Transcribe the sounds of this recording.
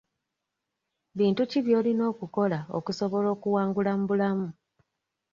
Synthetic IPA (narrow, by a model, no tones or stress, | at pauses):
βiːntuciβjo̞ːlino̞ːkuko̞lao̞̰kuso̞βo̞lo̞ːkuwaːŋɡulam̩bulamu